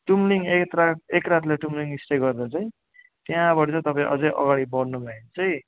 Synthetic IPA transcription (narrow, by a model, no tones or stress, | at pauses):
ʈumliŋekt̪raekrat̪leʈumliŋisʈeɡʌrd̪ʌt͡sʌĩ | t̪jaãbʌɽt͡sʌt̪ʌpaĩʔʌd͡zʌjʔʌ̰ɡaɽibʌɽnubʱaint͡sʌĩ